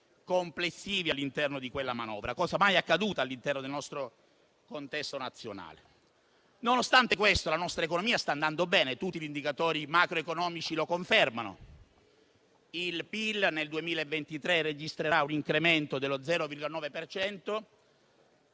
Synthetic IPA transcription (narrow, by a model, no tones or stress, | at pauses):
komplesːiːvialːint̪ɛrnod̪ikwelːamanɔ̰ːvɾakɔːzamajakːad̪uːt̪alːint̪ɛrnod̪elnɔst̪ɾo | kont̪ɛst̪onat̪sːjona̰ːlḛ | nonost̪ant̪ekwest̪olanɔst̪ɾaekonomiːast̪aːnd̪and̪obɛːnet̪ut̪ːiʎind̪ikat̪ɔːɾimakɾoekonɔːmit͡ʃilokoɱfermano̰ | ilpilneld̪uemiːlaevːent̪it̪ɾered͡ʒist̪ɾeɾauniŋkɾement̪od̪elːod̪zɛːɾovirɡolanɔːvepert͡ʃɛnt̪o